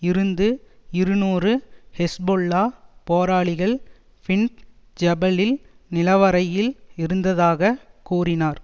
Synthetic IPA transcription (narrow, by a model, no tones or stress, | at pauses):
ɪɾɯnd̪ɯɪɾɯnuːrɯhɛsboːɭːaːpoːɾaːɭɪɣɐɭ | fɪɳʈ | d͡ʒɐbɐlɪl | nɪlɐʋɐɾɐjɪlɪɾɯnd̪ɐðaːɣɐkuːrɪnaːɾ